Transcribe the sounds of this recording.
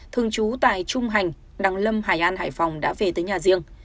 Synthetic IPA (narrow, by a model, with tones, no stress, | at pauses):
t̪ʰɨ˨˩əŋt͡ɕu˨˦t̪a̰ː˧˨jt͡ɕʊ˧ŋ͡mɦa˨˩jŋ̟ | ɗa˨˧˩ŋlə˧mɦaː˨˩jʔaː˧nhaː˧˩jfɔ˨˩wŋ͡mɗa̰ː˧˥ve˨˩t̪əː˨˦jɲaː˨˩zi˧əŋ